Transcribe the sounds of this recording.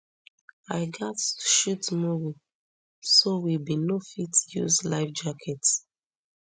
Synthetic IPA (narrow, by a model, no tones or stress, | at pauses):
aɪɡɔtʃutmuvi | sowibinofitjṵzlaɪfd͡ʒakʰɛt